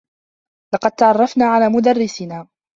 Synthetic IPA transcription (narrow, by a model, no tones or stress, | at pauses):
lɑqɑd̪̚t̪ɑʕɑrˤːɑfnaːʕalaːmʊd̪arːɪsɪnaː